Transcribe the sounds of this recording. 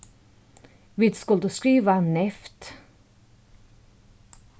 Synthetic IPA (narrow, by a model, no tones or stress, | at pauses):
ʋɪːd̪skʊld̪ʉskɾiːʋanɛft̪